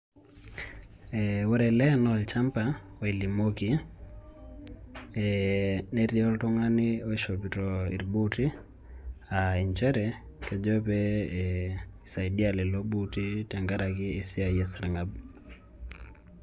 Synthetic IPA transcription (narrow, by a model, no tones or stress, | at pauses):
ɛwɔɾɛlɛnɔlt͡ʃampaɔilimoki | ɛnɛɾiɔltuŋaniɔiʃopitɔḭɾɓuti | aiɲt͡ʃɛɾɛ | kɛd͡ʒɔpɛ | isaiɗialɛloɓutitɛŋɡaɾakiesiaɛsaɾŋɡab